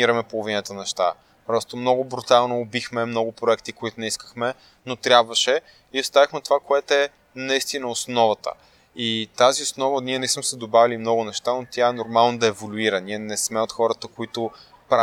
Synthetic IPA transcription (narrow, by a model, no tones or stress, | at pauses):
iɾəmɛpolˠovinət̪ənɛʃt̪a̰ | pɾɔst̪omnɔɡʊbɾut̪alˠnoːbixmɛmnɔɡʊpɾoɛkt̪ikoit̪ʊnɛiskə̥xmɛ | not̪ɾjabvəʃɛ | iost̪avixmɛt̪ovakoɛt̪oɛ | nɐist̪inəosnɔvət̪ə̰ | it̪aziosnɔvəniɛnɛsmɛsɛd̪obavilimnɔɡʊnɛʃt̪anot̪ʲjaɛnoɾmalˠnod̪ɐɛvolʲuiɾɐniɛnɛsmɛot̪xɔɾət̪əkoit̪ʊ | pɾa